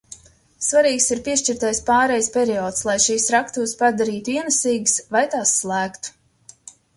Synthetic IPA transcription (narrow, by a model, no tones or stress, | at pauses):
svaɾiːksiɾpʲiɛʃt͡ʃiɾt̪ajspaːɾɛjspʲɛɾiɔːt̪slˠajʃiːsɾakt̪uːspad̪aɾiːt̪uiɛnɨsiːɡsvajt̪aːsːlˠæːkt̪u̥